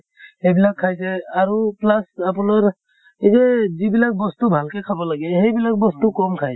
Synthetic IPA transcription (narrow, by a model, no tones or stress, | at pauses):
hejbilakʰːajsɛaɾuplasapunaɹ | izɛzibilak̚bɔst̪ubʱalkɛkʰabɔlaɡɛhejbilak̚bɔstukɔmkʰaj